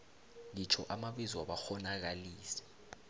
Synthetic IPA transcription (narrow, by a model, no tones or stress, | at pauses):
lit͡ʃʰɔ̰ʔamaɓizwaɓaxɔnak̬aliːsɛ̥